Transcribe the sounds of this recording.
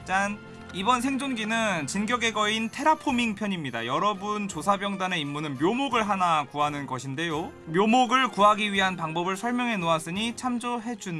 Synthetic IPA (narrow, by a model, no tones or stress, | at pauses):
t͡ɕ͈an | ibʌnsʰe̞ŋd͡ʑoŋd͡ʑinɯnt͡ɕinɡjʌɡe̞ɡʌintʰe̞ɾapʰomiŋpʰjʌɲimɲida̰jʌɾʌbunt͡ɕosʰabjʌŋdane̞imːunɯnmjomoɡɯɭɦanakuɦanɯnɡʌɕʰinde̞jo | mjomoɡɯɭkuɦaɡiɥiɦanpaŋbʌbɯɭsʰʌɭmjʌŋɦe̞noas͈ɯɲit͡ɕʰamd͡ʑoɦe̞d͡ʑun